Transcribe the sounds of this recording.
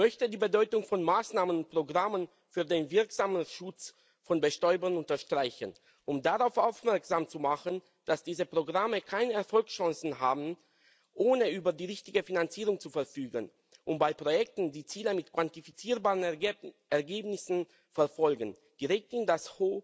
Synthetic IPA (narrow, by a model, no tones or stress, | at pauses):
mœçtədiːbədɔʏtʊŋfɔnmaːsnaːmənʊnt̚pʁ̥oɡʁamən | fyːɐdeːnvɪɐkz̥aːmənʃʊt͡s | fɔnbəʃtɔʏbɐnʊntɐʃtʁ̥aɪçən | ʔʊmdaʁaʊfʔaʊfmɛɐkz̥aːmt͡sumaχən | d̥asd̥iːzəpʁ̥oɡʁaməkʰaɪnəɛɐfɔlksʃɑ̃ŋsn̩ɦaːbn̩ | ʔoːnəʔyːbɐdiːʁɪçtɪɡəfinant͡siːʁʊŋt͡sufɛɐfyːɡən | ʔʊntb̥aɪpʁ̥ojɛk̚tn̩diːt͡siːləmɪtkv̥antifit͡siːɐbaːʁən | ɛɐɡeːbnɪsn̩ | fɛɐfɔlɡn̩ | d̥iʁɛk̚tɪndashoː